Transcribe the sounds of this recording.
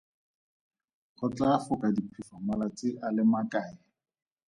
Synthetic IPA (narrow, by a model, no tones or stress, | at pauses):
χʊt͡ɬafʊkʼadipʰifamalat͡sɪʔalɪmakʼaːjɪ